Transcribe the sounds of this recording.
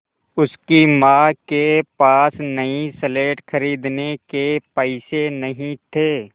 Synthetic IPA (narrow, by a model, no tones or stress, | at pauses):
ʊskimaːkepaːsnɐĩsəleːʈxɐɾiːd̪nekepɛɪsenɐɦĩt̪ʰeː